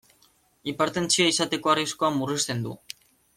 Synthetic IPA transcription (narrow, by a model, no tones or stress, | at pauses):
ipaɾt̪e̞nt͡siaisat̪e̞ko̞arisko̞amurist̪e̞nd̪ṵ